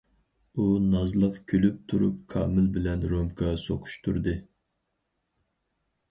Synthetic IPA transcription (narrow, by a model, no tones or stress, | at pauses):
unɑzlˠəqkʲʰølyp̚t̪ʰuɾṵp̚kʰɑ̰ːmɪlbɪlɛnɾomkʰɑsoqʰu̥ʃt̪ʰuɾd̪ɨ